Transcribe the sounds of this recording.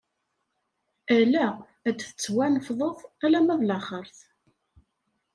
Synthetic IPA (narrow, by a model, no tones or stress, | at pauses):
ælæ | æd̪θət͡sːwænəfðˤoðˤælæmæðlɑχəɾθ